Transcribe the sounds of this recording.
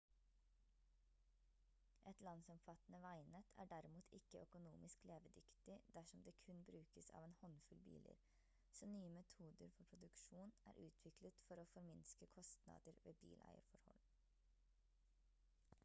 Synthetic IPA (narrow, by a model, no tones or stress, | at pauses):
ʔɛt̪lɑnsɔmfɑt̪nəʋæɪnət̪ʰæ̰ːɖæɾɪmuːt̪ʰɪkəʔœkʊnuːmɪskleːʋəd̪ʏkt̪ɪd̪æʂɔmd̪eːkʰʉnbɾʉːkəsɑ̰ːʋeːnhɔnfʉlbḭːlə̰ɾ | sɔːnyːəmɛt̪ʰuːd̪əɾfɔɾpʰɾʊd̪ʉkʃuːnæ̰ːɾʔʉːt̪ʰʋɪklət̪fɔɾoːfɔɾmɪnskəkʰɔst̪nɑ̰ːd̪əɾʋḛːbḭːlʔæ̰ɪə̰ɾfɔɾhɔ̰l